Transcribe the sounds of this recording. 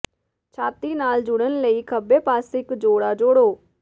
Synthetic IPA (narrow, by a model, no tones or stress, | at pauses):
t͡ʃʰaːt̪iːnaːld͡ʒʊɽ̃ənləiːkʰəbeːpaːsɪkd͡ʒoːɽaːd͡ʒoːɽoː